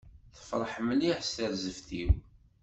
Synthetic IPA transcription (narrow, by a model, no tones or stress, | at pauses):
θə̥fɾˤəħməliħst̪əɾzəfθiw